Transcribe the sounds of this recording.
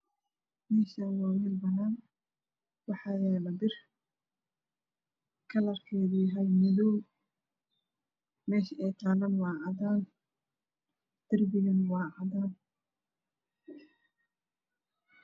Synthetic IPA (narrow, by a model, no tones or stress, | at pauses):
mɛːʃaːnwɑːwɪlbɐnaːn | wɑħɑːjɛːlɐbɪr | kʰɐlɐrkʰɛːðʊjɦɐjmɪðɔw | mɛːʃɐɛjt̪ʰaːlɐnwɑːʕɑðaːn | d̪̥ɐrbɪɣɐnwɑːʕɑdaːn